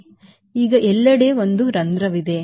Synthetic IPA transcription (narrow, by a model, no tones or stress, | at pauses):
iːɡɐʔɛlːɐɽe̞ːʋo̞nd̪uɾɐnd̪ɾɐʋid̪e̞